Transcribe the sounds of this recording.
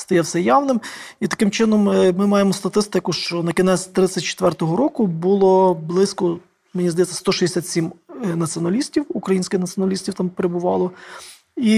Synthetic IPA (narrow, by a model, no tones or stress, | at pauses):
st̪ɐjɛwsɛjɑwnɪmit̪ɐ̥kɪmt͡ʃɪnɔmmɪmɑjemɔst̪ɐt̪ɪst̪ɪkʊʃt͡ʃɔnɐkʲɪnɛsʲt̪ɾɪt͡sʲɐt̚ʲt͡ʃe̥t̪ʋɛrt̪ɔɦɔɾɔkʊbʊlˠɔblˠɪsʲkɔ | menʲizd̪ɐjɛtt͡sʲːɐ̥st̪ɔʃid̪ʲesʲat̪ʲsʲimnɐt͡sʲiɔnɐlʲisʲtʲiwukɾɐjinʲsʲkɪxnɐtt͡sʲɔnɐlʲisʲtʲiwt̪ɑmpeɾebʊʋɑlˠɔ | i